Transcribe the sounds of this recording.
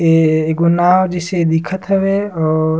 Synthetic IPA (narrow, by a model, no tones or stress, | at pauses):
eɡʊnaːwd͡ʒɪsed̪ɪkʰət̪ɦɐʋeɔː